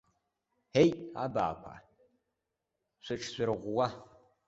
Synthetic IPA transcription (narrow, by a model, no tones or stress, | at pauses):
heja̰ba̰ːkʷʰa̰ | ʃʷɨʈ͡ʂʰɕʷɨrʁʷwa